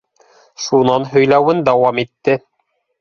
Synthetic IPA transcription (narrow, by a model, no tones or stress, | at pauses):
ʃunɑnɦɵ̆jlæwɘnd̪ɑwɑmit̪ːɘ